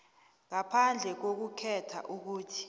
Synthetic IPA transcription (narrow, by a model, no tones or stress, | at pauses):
ŋapʰand͡ɮʱɛk̬ok̬ukʰɛtʰa̰ʔuk̬uːtʰi̥